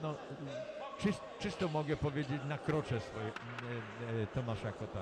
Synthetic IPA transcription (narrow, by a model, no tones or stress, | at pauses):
nɔ | t͡ʂɨst̪t͡ʂɨst̪ɔmɔɡɛpɔvʲjed͡ʑet͡ɕnakɾɔt͡ʂɛsfɔjɛ | t̪ɔmaʂajakɔt̪a